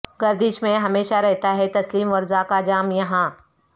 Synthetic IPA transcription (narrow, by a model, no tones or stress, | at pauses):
ɡɐɾd̪iʃmẽɦɐmeːʃaɾɛɦt̪aɦɛt̪ɐsliːmʋɐɾzakad͡ʒaːmjɐɦã